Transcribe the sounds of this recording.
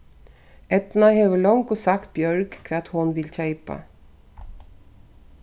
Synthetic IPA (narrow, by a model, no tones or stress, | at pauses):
ʔɛt̪naheːʋəɭɔŋkosɑkt̪̚bjœɹɡkʰɛt̪hʊnʋɪlçæɪpə̰